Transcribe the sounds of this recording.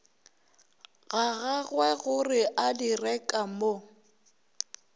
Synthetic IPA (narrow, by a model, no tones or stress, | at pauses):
ɣaɣaɣwɛɣʊrɪʔadirɛkʼamo